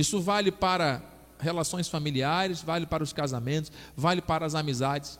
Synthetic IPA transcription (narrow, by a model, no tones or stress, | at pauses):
isʊvalɪpaɾɐ | helasõj̃sfamiliaɾɪsvalɪpaɾɐʊskazamẽnt̪ʊ̥svalɪpaɾɐːzamizad͡ʒɪs